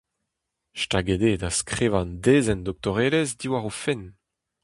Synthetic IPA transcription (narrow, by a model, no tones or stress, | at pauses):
ʃtaɡed̪ed̪askχeːvãnd̪eːzɛndɔk̚t̪ɔʁeːlezd̪iwaʁofɛn